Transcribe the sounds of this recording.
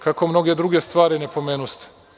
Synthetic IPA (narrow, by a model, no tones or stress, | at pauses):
kako̞mno̞ɡed̪ɾuɡest̪ʋaːɾinepo̞meːnust̪e̥